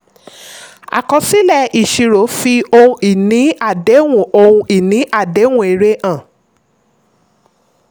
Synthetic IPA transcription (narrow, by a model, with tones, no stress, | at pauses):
a̰˨kɔ˧si˦lɛ˦˨i˨ʃi˨ɾo˨˦fi˧o˧ũ˧i˦˨nĩ˨˦a˦˨de˨˦wũ˦˨o˧ũ˧i˦˨nĩ˨˦ʔa˦˨de˨˦w̃ũ˧˦e˨ɾe˧ʔã˦˨